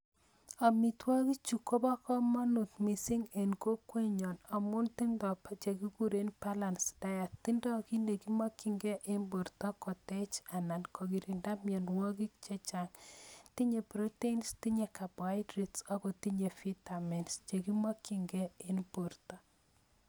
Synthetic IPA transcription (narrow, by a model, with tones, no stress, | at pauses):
a˨mi˨twɔ˦ki˦t͡ʃu˨ko˦ba˦kɔ˦ma˦nu˨t̪mi˨si˦ŋe˨nko˦kwe˦ɲɔ˨na˨mʊ˦nti˦ndɔ˨pa˦t͡ʃe˨ki˦ɡu˦ɾe˦npa˦la˨nsd̥a˦ja˨ti˦ndɔ˦ki˦nde˨ki˦ma˦ki˨ŋɡɛ˦ʔe˦nbu˨ɾtɔ˦kɔ˨tɛ˦t͡ʃa˨na˨nkʰo˨ki˨ɾi˨nda˦mjɛ˨nwɔ˦ki˦k̚t͡ʃe˦t͡ʃa˨ŋti˦ɲe˨pɾo˦te˦insti˦ɲe˨ka˨bwa˦jdɾi˦tsa˦ko˨ti˦ɲe˨fi˦ta˨mɛ˨nst͡ʃe˨ki˦ma˦kːi˨ŋɡɛ˦e˦nbo˨ɾtɔ˦